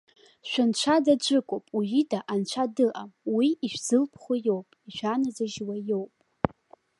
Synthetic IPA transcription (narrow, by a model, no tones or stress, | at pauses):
ʃʷᶣant͡ʃʷʰadad͡ʒʷɨkʷʼopʼujidaʔant͡ʃʷʰadɨʔamwiiʃᶣz̥ɨlpʰχʷajo̞wpʼiʃʷᶣanazaʒwajo̞wpʼ